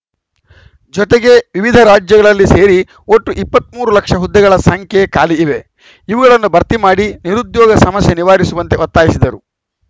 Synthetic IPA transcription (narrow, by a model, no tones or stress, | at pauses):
d͡ʒɔt̪eɡe̞ʋiʋid̪ʱɐɾaːd͡ʒjɐɡɐɭɐlːise̞ːɾi | o̞ʈːuʔipːɐt̪̚muːɾulɐkʂɐɦud̪ːɛɡɐɭɐsɐŋkʰjɛjɐkaːliːʋe̞ | iʋuɡɐɭɐnːubɐɾt̪imaːɽiniɾud̪jɔːɡɐsɐmɐsjeniʋaːɾisuʋɐnt̪eɔt̪ːaːjisid̪ɐɾu